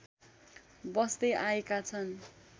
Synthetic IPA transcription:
bʌst̪eʔaekat͡sʰʌn

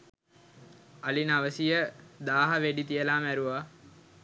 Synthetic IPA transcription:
alinaʋəsijəd̪aːɦaʋeɖit̪ijəlaːmæɾuʋa

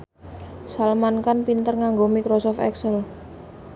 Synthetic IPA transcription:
salmankanpint̪ərŋaŋɡomikɾɔsɔfɛ̰ksəl

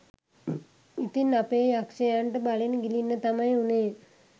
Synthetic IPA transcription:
it̪inapeːakʂejaɳʈəbalenəɡilinːət̪amajuneː

